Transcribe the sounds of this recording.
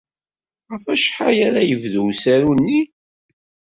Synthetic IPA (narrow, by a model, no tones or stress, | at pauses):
ʁəfæʃħajæɾajəvðuwsæɾunːi